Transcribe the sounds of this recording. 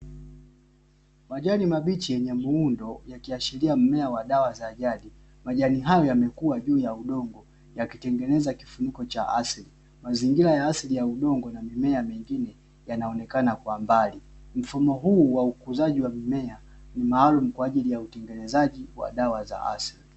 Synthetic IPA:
maʄanimaɓit͡ʃijɛɲɛmuundɔjakiaʃiliam̩mɛawaɗawazaːʄaɗi | maʄaniɦajɔjamɛkuaʄuːjauɗɔŋɡɔ | jakitɛŋɡɛnɛzaki̥funikɔt͡ʃaʔasli | maziŋɡiɾajaaslijauɗɔŋɡɔnamimɛamɛŋɡinɛ | janaɔnɛkanakwambalim̩fumɔɦuːwaukuzaʄiwamimɛa | nimaːlumukwaːʄilijautɛŋɡɛnɛzaʄiwa̰ɗawaza̰ʔa̰sili

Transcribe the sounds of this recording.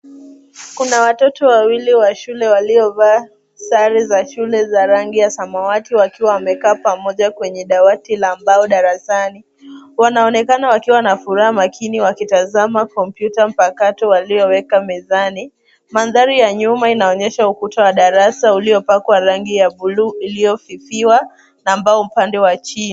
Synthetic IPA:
kunawatɔtɔwawiliwaʃulɛwaliɔvaː | saɾizaʃulɛzaɾaŋɡijasamawatiwakiwawamɛkaːpamɔʄakwɛɲɛɗawatilambaɔɗaɾasani | wanaɔnɛkanawakiwanafuɾahamakʰiniwakitazamakɔmpjutam̩pakatɔwaliɔwɛkamɛzani | manðaɾijaɲumainaɔɲɛʃaukutawaɗaɾasauliɔpakwaɾaŋɡijaɓuluːilijɔfifiwa | nambaɔm̩pandɛwat͡ʃin

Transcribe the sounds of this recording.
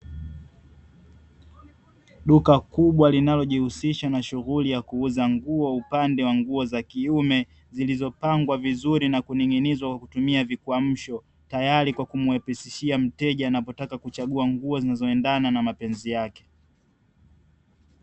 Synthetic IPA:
ɗukakuɓwalinalɔʄihusiʃanaʃuɣulijakuuzaŋɡuɔupandɛwaŋɡuɔzakiumɛ | zilizɔpaŋɡwavizuɾinakuniŋinizwakwakutumiavikuam̩ʃɔ | tajaɾikwakumuwɛpɛsiʃiam̩tɛʄaːnapɔtakakut͡ʃaɠuaŋɡuɔzinazɔɛndananamapɛnzijakɛ̥

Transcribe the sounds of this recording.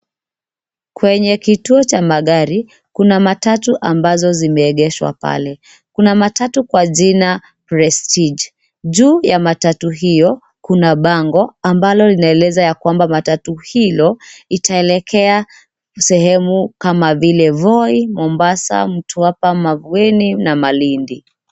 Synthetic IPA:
kwɛɲɛkituɔt͡ʃamaɠaɾi | kunamatatuʔambazɔzimɛːɠɛʃwa̰pa̰lɛ | kunamatatukwaʄina | pɾɛstid͡ʒ | ʄuːjamatatuɦijɔ | kunaɓaŋɡɔambalɔlinaɛlɛzajakwambamatatuhilɔitʰaɛlɛkʰɛa | sɛhɛmukamavilɛvɔimɔmbasa̰m̩tuapamavuɛninamalindi

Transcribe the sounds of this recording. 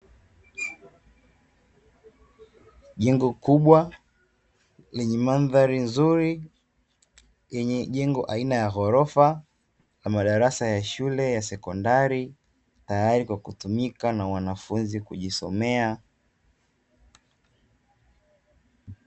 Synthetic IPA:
ʄɛŋɡɔkuɓwa | lɛɲɛmanðaɾinzuɾi | jɛɲɛʄɛŋɡɔʔainajaɦɔɾɔfa | lamaɗaɾasajaʃulɛjasɛkɔndaɾi | tajaɾikwakutumikanawanafunzikuʄisɔ̰mɛa

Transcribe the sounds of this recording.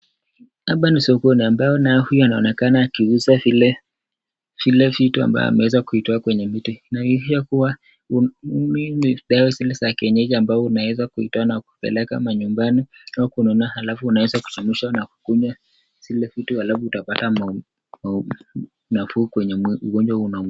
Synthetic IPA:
aɓanisiɔkɔniambajɔnahujɔanaɔnɛkanaːkiusavilɛ | v̥ilɛvitua̰mba̰jɔ̰a̰mɛwɛzakuitɔakwɛɲɛmituinaiiʃakuwa | uminiɗawɛzilɛsakɛɲɛʄiambaɔunawɛzakuhitɔanaku̥pɛ̰lɛka̰maɲumbaniakunɔnahalafuːnawɛzaku̥t͡ʃamiʃanaku̥kuɲa | z̥ilɛvituhalafuutapatama | ma | nafuːkwɛɲɛuɡɔnd͡ʒwaunam

